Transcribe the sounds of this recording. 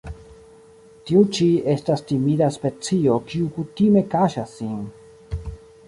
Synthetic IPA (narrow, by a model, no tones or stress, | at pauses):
tiut͡ʃie̞stastimidaspe̞t͡sio̞kiukutime̞kaʃasːin